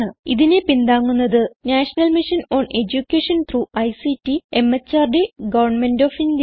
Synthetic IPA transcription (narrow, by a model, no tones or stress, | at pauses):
ɳɨiðine̞pind̪aːŋːunːɐðɨnaːʂɐnɐlmiʂɐno̞ːɳe̞d͡ʑukʲːeʂɐnt̪ʰruːɐjsitːie̞mːɐt͡ɕːaːrɖeɡɐʋɐrɳmendoːfind̪